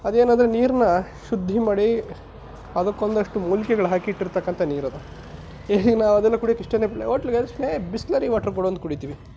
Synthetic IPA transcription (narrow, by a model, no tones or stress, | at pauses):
ɐd̪e̞ːnand̪ɾeniːɾɐnɐʃud̪ʱːimaːɽi | ɐd̪ɐkːond̪ɐʂʈumuːlkɛɡɐɭɦaːkiiʈːiɾt̪ɐkːɐnt̪ʰɐniːɾɐd̪ɐ | eːinaːʋɐd̪ɛlːɐkuːɽiɐkiʂʈɐnːeːpilḛoʈːliɡesneːbislɐɾiʋaːʈɐɾkoɽoːnd̪ukuɽit̪iːʋi